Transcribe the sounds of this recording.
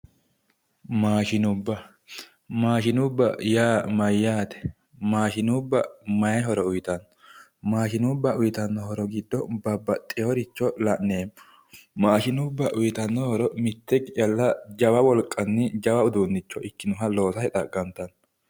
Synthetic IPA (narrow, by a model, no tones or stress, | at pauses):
maːʃɪnʊbːɐ | maːʃɪnʊbːɐ̰jaːmɐjːaːt̪ɛ̥ | maːʃɪnuːbːɐmɐjɐɦɔɾɔʊjɪt̪ɐnːɔ | maːʃɪnubːɐʔʊjɪt̪ɐnːɔhɔɾɔɡɪd̪ːɔbɐbːɐt̪ʼːɪjoɾɪt͡ʃːɔlɐʔnneːm | maːʃɪnʊbːɐʔʊjɪt̪ɐnːɔhɔɾɔmɪt̪ːɛɡɪɐlːɐd͡ʒɐwɐwɔlkʼːɐnːɪd͡ʒɐwɐʊd̪uːnːɪt͡ʃːɔʔɪkːɪnʊɦɐlo̞ːsɐhɛt̪ʼɐɡɐnt̪ɐn